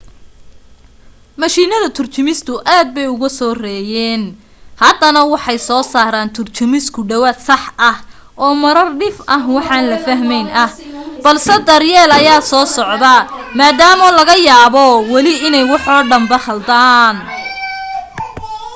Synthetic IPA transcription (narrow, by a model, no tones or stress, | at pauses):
mɐʃiːnɐðɐt̪ʰʊrt͡ʃʰʊmɪst̪ʰʊʔaːd̪̚bɛjʊɣɐsɔːrɛːjɛːn | hɐd̪ɐnɐwɑħɑjsɔːsaːɾaːnt̪ʰʊrt͡ʃʊmɪskʰʊɖɐwaːd̪sɑħɐh | ʔɔːmɐɾɐrɖɪfʔɐɦwɑħɑːnlɐfɐɦmɛjnɐhbɐlsɛd̪ɐrjɛːlɐjaːsɔːsɔʕd̪ɐmaːd̪aːmɐlɐɣɐjaːβɔwɐlɪɪnɛjwɑħɔːɖɐmbɐhɐld̪aːn